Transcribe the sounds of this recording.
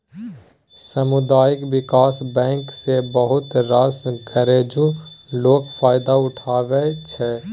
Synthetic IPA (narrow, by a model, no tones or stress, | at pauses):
sɐmʊd̪aːjɪkʋɪkaːsbɛ̃ːŋksebəɦʊt̪ɾaskəɾeːd͡ʒuloːkfʰaːɪd̪aʊʈʰaːʋet͡ʃʰɛː